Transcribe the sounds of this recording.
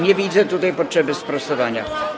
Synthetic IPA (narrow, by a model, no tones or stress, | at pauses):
ɲɛvʲid̪zɛt̪ut̪ajpɔtʂɛbɘspɾasɔvaɲa̰